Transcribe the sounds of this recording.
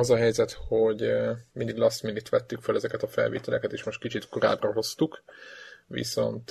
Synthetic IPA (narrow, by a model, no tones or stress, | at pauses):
ɒzɒɦɛjzɛt̪ho̞ɟmind̪iɡlɒsminit̪ʋɛt̪ːykfølɛzɛkɛt̪ɒfɛ̰lvḛːt̪ɛlɛkɛt̪eːʃmo̞ʃt̪kit͡ʃit̪ko̞ɾa̰ːbrɒɦo̞st̪uk | ʋḭso̞̰nt̪